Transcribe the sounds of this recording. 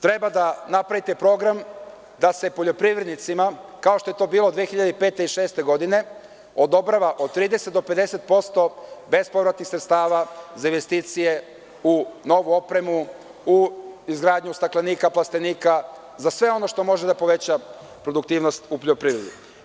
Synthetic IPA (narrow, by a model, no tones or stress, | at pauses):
t̪ɾe̞bad̪anapɾaʋit̪e̞pɾo̞ɡɾam | d̪ase̞poʎo̞pɾiʋɾe̞d̪nit̪simakaoʃt̪o̞jet̪o̞ːbiːlo̞d̪ʋiexiʎad̪eipe̞ːt̪eiʃeːst̪e̞ɡo̞d̪ine̞ | o̞d̪o̞bɾaʋaʔod̪̚t̪ːɾiːd̪eset̪̚d̪ope̞d̪e̞se̞t̪̚po̞st̪o̞be̞spo̞vɾat̪nixsɾet̪st̪aːʋazainʋe̞st̪iːt̪sije̞ | uno̞ʋuo̞pɾe̞mu | uizɡɾaːd̪ɲust̪aklaniːkaplast̪e̞niːka | zasʋe̞o̞no̞ʃt̪o̞mo̞ʒed̪apo̞ʋe̞t͡ɕa | pɾod̪uk̚t̪iːʋno̞st̪upoʎopɾiːʋɾed̪u